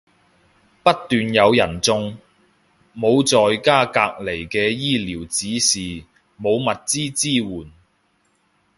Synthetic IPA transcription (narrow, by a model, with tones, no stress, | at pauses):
pɐ˥t̚t̪yː˨njɐ˨˧wjɐ˨˩nt͡sʊ˨˧ŋ | mo˨˧wt͡sɔː˨jkaː˥kaː˧k̚le˨˩jkɛː˧jiː˥liː˨˩wt͡siː˨˥siː˨˩ | mo˨˧wmɐ˨t̚t͡siː˥t͡siː˥wuː˨˩n